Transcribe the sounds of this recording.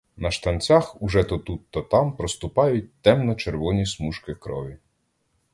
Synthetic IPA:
nɐʃt̪ɐnt͡sʲaxuʒɛt̪ɔt̪ut̪ːɐt̪ɑmpɾɔst̪ʊpɑjʊt̚ʲt̪ɛmnɔt͡ʃeɾʋɔnʲismuʃkɪkɾɔ̰ʋʲi

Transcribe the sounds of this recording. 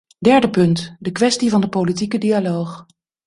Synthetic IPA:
dɛɹdəpɵntdəkʋɛstivɑndəpowlitikədialowχ

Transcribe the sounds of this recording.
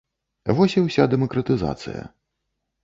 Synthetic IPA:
vɔsʲiwsʲad̪ɛmɐkɾɐt̪ɨza̰t̪sɨ̰jɐ̰

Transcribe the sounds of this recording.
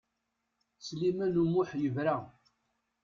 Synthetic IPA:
slimænumʊħjəvɾa

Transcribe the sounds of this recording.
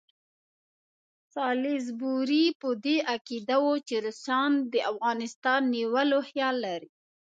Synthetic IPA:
sɑlɪzbuɾipəd̪eakid̪awot͡ʃeɾəsɑnd̪əʔafɣɑnɪst̪ɑnːiwəloxjɑlːaɾi

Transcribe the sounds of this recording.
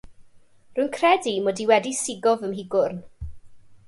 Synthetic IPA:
rʊɨnkʰrɛdimɔdiwɛdisɪɡɔvəmɦɪɡʊrn

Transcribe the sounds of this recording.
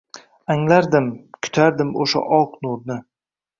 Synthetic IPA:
aŋlaɾd̪ɪmkʰʊ̥t̪ʰaɾd̪ɪmoʃa̰ʔɒqnuɾnɪ

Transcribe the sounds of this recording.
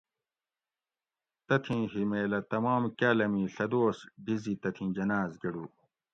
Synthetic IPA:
t̪ɐt̪ʰĩːɦimeːlɐt̪ɐmaːmkaːlɐmĩːɬɐd̪oːsɖizit̪ɐt̪ʰĩːd͡ʑɐnaːzɡɐɽuː

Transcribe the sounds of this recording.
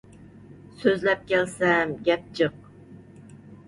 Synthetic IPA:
søzlɛp̚kʲɛlsɛmɡʲɛp̚t͡ʃʰəq̚

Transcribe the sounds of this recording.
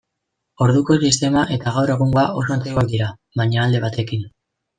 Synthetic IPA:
o̞ɾðuko̞sist̪e̞maʔe̞t̪aɣ̞awɾe̞ɣ̞uŋɡoaʔo̞so̞ant͡sekok̚d̪iɾa | βaɲaːld̪e̞β̞at̪e̞kin

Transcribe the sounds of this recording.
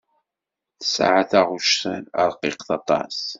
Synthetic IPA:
θə̥sʕaθæʁuʃθənə̰ɾˤqiqθɑt̪ˤɑ̰s

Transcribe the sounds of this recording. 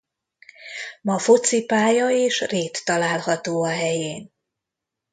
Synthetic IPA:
mɒfot̪sipaːjɒeːʃreːt̪ːɒlaːlhɒt̪oːɒɦɛjeːn

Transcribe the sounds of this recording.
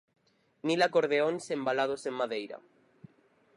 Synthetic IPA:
nilakoɾðeonsembalað̞osemmaðejɾa̰

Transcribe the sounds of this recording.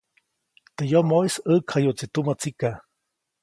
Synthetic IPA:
t̪ejomoisəkʰhajut͡sit̪umət͡sika

